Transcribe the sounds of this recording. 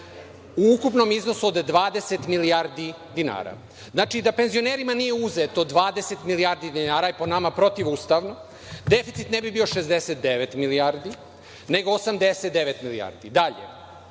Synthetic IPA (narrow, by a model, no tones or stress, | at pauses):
uukupno̞mizno̞suod̪ːʋaːd̪eset̪miliaɾd̪i | d̪ina̰ːɾa̰ | znaːt͡ʃid̪ape̞nzio̞neɾimanijeuzet̪od̪ʋaːd̪eset̪milijaɾd̪id̪inaːɾajeponamapɾo̞t̪iʋuːst̪aʋno | d̪efit̪sit̪nebibio̞ʃezd̪eset̪̚d̪eʋet̪miliaɾd̪i | neɡoːsamd̪eset̪d̪eʋet̪milia̰ɾd̪id̪aʎḛ